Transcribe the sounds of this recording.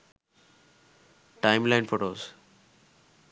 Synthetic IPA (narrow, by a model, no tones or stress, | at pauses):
ʈaɪmlaɪnfoːʈoːz